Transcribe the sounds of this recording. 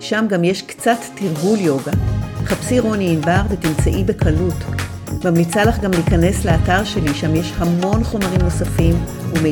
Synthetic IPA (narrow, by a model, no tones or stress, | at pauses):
ʃamɡamje̞ʃkt͡satːiʁɡuljo̞ɡaχapsiʁo̞niːnbaʁvetimt͡saʔibe̞kʰɐlut | mamlit͡salaχɡamliːkɐne̞sleataʁʃe̞liʃamje̞ʃhamo̞nχo̞maʁimno̞safim | ume